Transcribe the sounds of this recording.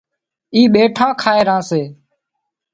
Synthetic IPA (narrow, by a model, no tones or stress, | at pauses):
iːɓeːʈʰãːkʰaːeːɾãːseː